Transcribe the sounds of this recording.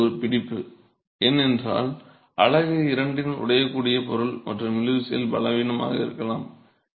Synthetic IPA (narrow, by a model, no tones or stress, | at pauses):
ɔɾɯpɪɽɪpːɯ | ɛnːɛndra̰ːl | ʔɐɭɐɣɯɪɾɐɳɖɪnʊ̰ɽɐjɐkːuːɽɪjɐpɔɾɯɭmʔɐ̰ʈrɐmɪlɯʋɪsɐjɪ̰lbɐlɐʋiːnɐma̰ːɣɐɪ̰ɾɯkːɐlaːm